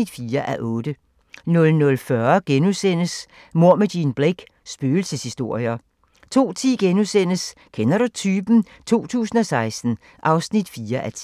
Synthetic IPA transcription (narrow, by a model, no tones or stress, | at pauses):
id̥fiːɐʔæʔɔ̽ːd̥ə | nɔ̽lnɔ̽lfɶɐɡ̥enusen̰əs | mo̝ɐ̰mædinb̥ʁeɡ̥ | sb̥øːl̩səshisd̥o̝ɐ̰jɐ | t͡sʰo̝̰ːt͡sʰḭːɡ̥enusen̰əs | kʰenɐɾut͡sʰyːb̥n̩ | t͡sʰo̝̰ːt͡sʰṵːsn̩ɒ̽sɑ̈ɪsd̥n̩ | ʔɑ̈ʊsnid̥fiːɐʔæt͡sʰ